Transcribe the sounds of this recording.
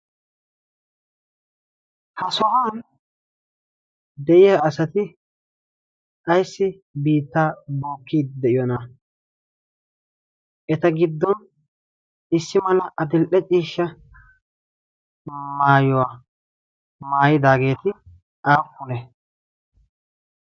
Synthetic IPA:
hɐsɔʔaːn | d̪ɛʔɪjaːɐsɐt̪ɪ | ʔɐjsːɪ | biːt̪ːaːboːkːiːd̪d̪ɛʔɪjɔna | ʔɛt̪ɐɡɪd̪ːɔn | ɪsːɪmɐlɐʔɐd̪ɪlʔɛt͡ʃʼiːʃːɐ | maːjɔwaː | maːjɪd̪aːɡe̞ːt̪ɪ | ʔaːkːʊlɛ

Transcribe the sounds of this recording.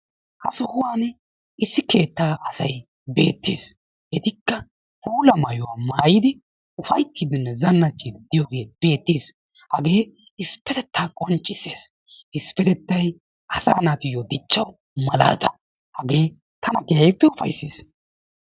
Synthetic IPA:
kɐsʊhʊwaːn | ɪsːɪke̞ːt̪ːaːʔɐsɐj | be̞ːt̪ːḛːs | ʔɛt̪ɪkːɐ | huːlɐmɐjʊwaːmaːjɪd̪ɪ | ʊfɐjt̪ːiːd̪ɪnːɛzɐnːɐt͡ʃːid̪̥ɪjoːɡe̞ːb̥e̞ːt̪ːeːs | hɐɡe̞ː | ɪspːɛt̪ɛt̪ːaːkʼɔnt͡ʃʼːɪsːeːs | ɪspɛt̪ɛt̪ːɐj | ʔɐsa̰ːnat̪ɪjod̪ɪt͡ʃːɐw | mɐla̰ːd̪ɐ | hɐɡe̞ː | t̪ʰɐnɐɡɛjɐjpːɛʊfɐ̰jsːiːs

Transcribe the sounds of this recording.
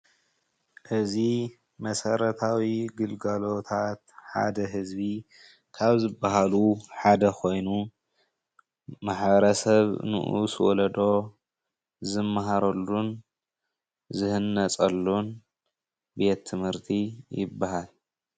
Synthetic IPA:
ʔɨzi | mɐsɐɾɐt̪ʰawiɡɨlɡalo̞t̪ʰat̪ħa̰d̪ɐɦɨzbi | kʰaβzɨbːaɦaluħad̪ɐkʰo̞jnu | maħbɐɾɐsɐβnɨ̰ʔṵswɔlɐd̪o̞ | zɨmːaɦaɾɐlːun | zɨhɨnːɐt͡sʼɐlːun | be̞t̪ʰːɨmhɨɾt̪ʰijɪ̰bːaɦal

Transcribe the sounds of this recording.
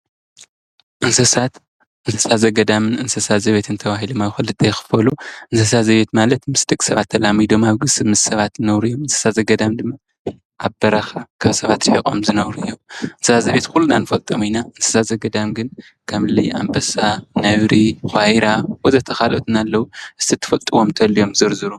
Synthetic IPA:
ʔɨnsɐsat̪ | ʔɨnsɐ̥sat̪zɐɡɐd̪amɨnɨnsɐsat̪zɐβet̪ʰɨnt̪ʰɐβahilomaxɨlːɨt̪ɐjxɨ̥fɐluʔɨnsɐs̬at̪zɐβe̞t̪malɐt̪mɨsd̪ɨkʼsɐβat̪ʰːɐlamid̪o̞maβɡɨsɨmɨzsɐβat̪zɨnɐβɾujːomɨnsɐ̥sat̪zɐɡɐd̪amd̪ɨmːa | ʔaβbɐɾaxakʰaβsɐβat̪ħikʼo̞̰mzɨnɐwɾɨjːomʔɨnsɐsazɐβet̪kulːunanɨfɐlt̪ʼɐminaʔɨnsɐ̥sazɐɡɐd̪amɡɨn | kʰamɨlɐjʔa̰mbɐsanɐβɾixʷajɾawɔzɐt̪ʰɐxalʔot̪ɨnalːɐwuʔɨst̪ʰit̪ʰːɨ̥fɐlt̪ʼɨwo̞mt̪ʰɐlːijo̞mzɨɾzɨɾu

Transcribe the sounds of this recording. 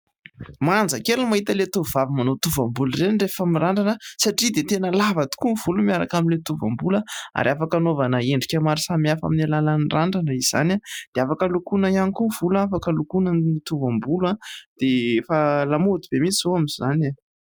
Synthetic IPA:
mand͡zəkelmaɦit̪əlet̪uvuvavimanot̪uvambulrenirefamiraɳɖ͡ʐanəsaʈ͡ʂid̪et̪enəlavat̪u̥kunv̥ulumiaɾakaminlet̪uva̰mbuləa̰ɾiafakanovanəeɳɖ͡ʐikʲamaɾisamiafa̰minilalanraɳɖ͡ʐanəiz̥a̰nad̪̥eafakəlukunəianikuv̥ulaafakəlukunənit̪uvambulad̪̥efalamod̪ib̥emit͡sizoamizana

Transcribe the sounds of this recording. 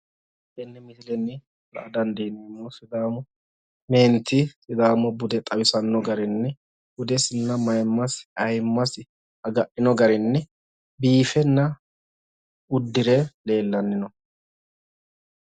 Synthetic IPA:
ʔɛnːɛmɪsɪlɛnːɪ | lɐ̰ʔɐd̪ɐnd̪ɪhɪnɛnːɔsɪd̪aːmɔ | meːnt̪ːɪsɪd̪aːmɔbʊd̪ɛt̪ʼɐwɪsɐnːɔɡɐɾɪnːɛ | bʊd̪ɛsɪnːɐmɐjmːɐsɐjmːɐs | ɐɡɐʔɪnɔɡɐɾɪnːɛ | biːfɛnːɐ | ʊd̪ːɪɾɛle̞ːlːɐnːɪnɔ

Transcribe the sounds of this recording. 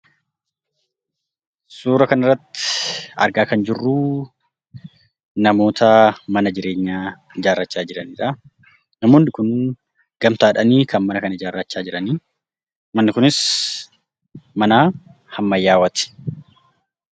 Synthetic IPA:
suːɾɐkɐnɪrːɐt̪ːɪ̥ɐ̰ɾɡaːkɐnd͡ʒɪrːuː | nɐmo̞ːt̪ʰɐmɐnɐd͡ʒɪɾe̞ːɲːaː | ɪd͡ʒaːrːɐt͡ʃːaːd͡ʒɪɾɐniːᶑɐ | nɐmoːnːɪkʊn | ɡ̥ɐmt̪aːᶑɐniːkʰɐnmɐnɐkɐnɐɪd͡ʒaːrːɐt͡ʃːaːd͡ʒɪɾɐniː | mɐnːɪkʊnɪs | mɐnaː | hɐmːɐjːaːwɐt̪ɪ̥

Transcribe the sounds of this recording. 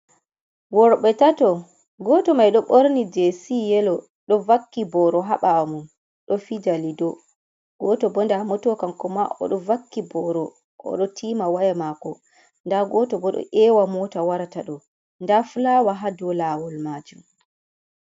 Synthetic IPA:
wɔɾɓɛtatɔ | ɡɔtɔmajɗɔɓoɾnid͡ʒesijɛlɔ | ɗɔvakːibɔɾɔɦaɓamun | ɗɔfid͡ʒalidɔ | ɡ̥ɔtɔbɔndamɔtɔkamkɔmaʔɔ̰ɗɔvakːibɔɾɔ | ʔɔ̰ɗɔtʰiːmawajɛmakɔ | ndaɡɔtɔbɔɗɔ̰ʔɛwamɔtawaɾataɗɔ | ndafulawaɦadɔlaːwɔlmad͡ʒum

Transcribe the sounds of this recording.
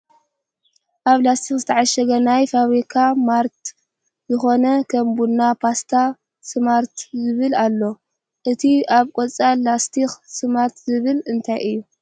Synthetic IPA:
ʔaβlast̪ʰixzɨt̪ʰɐʕaʃɐɡɐnajfaβɾikʰamaɾt̪ | zɨxo̞nɐkʰɐmbunːapʰast̪ʰa | sɨmaɾt̪zɨβɨlalːo̞ | ʔɨt̪ʰiaβkʼot͡sʼalast̪ʰixsɨmaɾt̪zɨβɨlɨnt̪ʰajʔɨjːu

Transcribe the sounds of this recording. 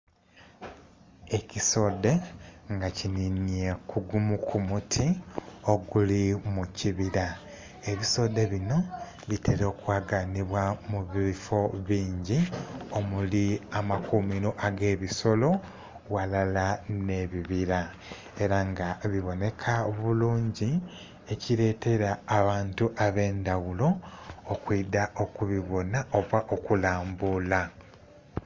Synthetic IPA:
e̞ciso̞ːde̞ŋɡacininije̞kʰuɡumukʰumutʰio̞ɡulimuciβiɾa | e̞βiso̞ːde̞βino̞ | βitʰeɾokwaːɡaniβwamuβiβifo̞βiːɲɟio̞muliamakumiɾo̞ʔaɡe̞ːβiso̞lo̞ | walalane̞βiβiɾa | e̞ɾaŋɡaβiβo̞ne̞kʰaβuluːɲɟi | e̞ciɾe̞ːte̞ɾaːβaːntuʔaβe̞ːndawulo̞ːkwiːdao̞kuβiβo̞nao̞βwaʔo̞kulaːmbuːla

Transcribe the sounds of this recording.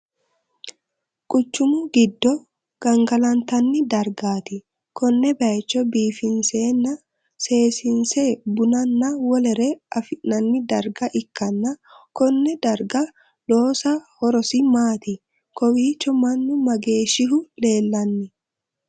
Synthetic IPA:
kʼʊt͡ʃːʊmʊɡɪd̪ːɔ | ɡ̥ɐŋɡɐlɐnt̪ɐnːɪd̪ɐɾɡaːt̪ɪ | kɔnːɛbɐɛt͡ʃːɔbiːfɪnseːnːɐ | se̞ːsɪnseːbʊnɐnːɐwɔlɛɾɛɐfnɐnːɪd̪ɐɾɡɐʔɪkːɐnːɐkɔnːɛd̪ɐɾɡɐ | ᶑoːsɐhɔɾɔsɪmaːt̪ɪ | kɔwiːt͡ʃːɔmɐnːʊmɐɡe̞ːʃɪɦʊle̞ːlːɐnːɪ

